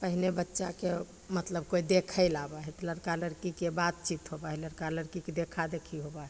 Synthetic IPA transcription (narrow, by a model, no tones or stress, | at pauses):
pəɦinebətːʃake | mət̪ləb̚koid̪ekʰəɪlabaɦɛt̪ləɾkaləɾkikebat̪̚t͡ʃit̪ɦobaɦɛləɾkaləɾkiked̪ekʰad̪ekʰiɦobaɦɛ